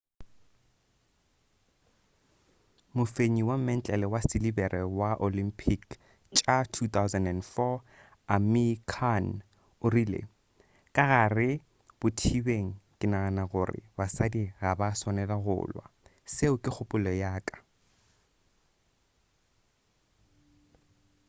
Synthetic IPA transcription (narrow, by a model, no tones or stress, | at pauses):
mʊfeɲiwam̩mɛn̩t͡ɬʼɛlɛwasɪlibɛrʔɛwaʔolimpʰik | t͡ʃʼatʰut̪awzɛndɛnfɔ | amikʰan | ʊrilḛ | kʼaɣarɪ | b̥ʊtʰibeŋ̩kʼɪnaanaɣʊrɪ̰basadiɣabasɔnɛlaɣʊ̰ːlwa̰ | seʊkʼɪk͡xʰʊpʼʊlɔjaːkʼḁ